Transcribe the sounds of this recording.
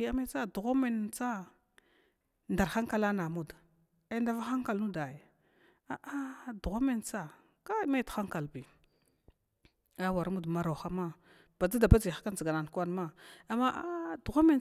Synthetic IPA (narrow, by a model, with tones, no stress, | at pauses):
i˨a˦me˦t͡sa˦du˨ɣo˦me˨n˨t͡sa˦ | nda˨ɾxa˦ŋka˦˨la˦na˨mu˦d | a˦nda˦va˦xa˦ŋka˨lnu˦da˨j | a˨ʔa˦du˨ɣo˦me˦nt͡sa˦ | ka˦ma˦txa˦ŋka˨lbi˨ | a˦wa˨ɾmu˦dma˨ɾa˨xa˦ma˦ | b̥a˨d͡za˦da˨ba˦d͡zi˨xḁ˦ka˦n˨zɡa˨na˨n˨ka˦nma˦a˨ma˦ʔdu˨ɣo˦me˦n